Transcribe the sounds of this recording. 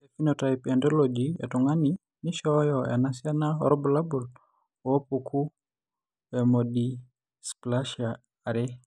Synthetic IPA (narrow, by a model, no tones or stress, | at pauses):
efinotajpɛndolod͡ʒiḛtuŋani | niʃɔjɔa̰nasianao̰ɾobulabul | wopukʰu | emodi | splaʃiaː | ɾɛ